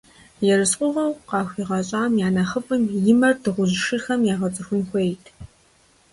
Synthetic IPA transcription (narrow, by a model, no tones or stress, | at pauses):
jɛrɨsqʷʼʊʁɐwqɑːxʷiːʁɐɕʼaːmjaːnɐχəpʼɨmjɪmɐrdɨʁʷʊʑʃɨrxɐmjaːʁɐt͡sʼɨxʷʊnxʷejtʰ